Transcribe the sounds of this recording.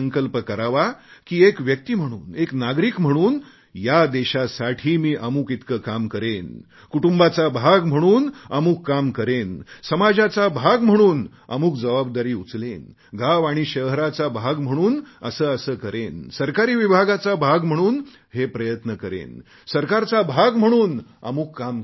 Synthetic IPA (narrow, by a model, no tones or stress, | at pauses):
əŋkəlpəkəɾaʋakiːekʋjək̚t̪iːm̤əɽ̃uːneknaɡɾiːkm̤əɽ̃uːn | jad̪eɕasaʈʰiːmiːʔamuːkit̪kəkamkəɾen | kuʈumbat͡sabʱaɡm̤əɽ̃uːnəmukːamkəɾensəmad͡zat͡sabʱaɡm̤əɽ̃uːnə̰muːk̚d͡zəʋabd̪aɾiːut͡slen | ɡaʋaɽ̃iɕəɾat͡sabʱaɡm̤əɽ̃uːnəsəːəsəːkəɾensəɾkaɾiːʋibʱaɡat͡sabʱaɡm̤əɽ̃uːn | hepɾəjət̪nəkəɾḛn | səɾkaɾt͡sabʱaɡm̤əɽ̃uːna̰muːkːam